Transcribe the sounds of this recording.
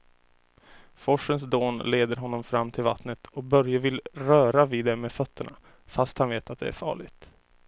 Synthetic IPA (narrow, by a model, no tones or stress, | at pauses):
fɔʂəns̬d̪oːnleːd̪əɾɦɔnːɔmfɾamːt̪ʰɪlva̰t̪nət̪ʰɔk̚bœɾjəvɪlɾœːɾaviːd̪ɛmeːfœt̪ʰːəɳa | fast̪hanveːt̪at̪̚d̪ɛ̰æ̰ɾfɑ̰ːɭɪɡt̪